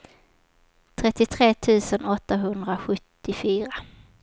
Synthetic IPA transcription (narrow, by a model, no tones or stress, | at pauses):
t̪ʰɾɛt̪ːɪt̪ʰɾeːt̪ʰʉ̟ːsənɔt̪ːaɦɵnd̪ɾaɧɵt̪ːɪfyːɾa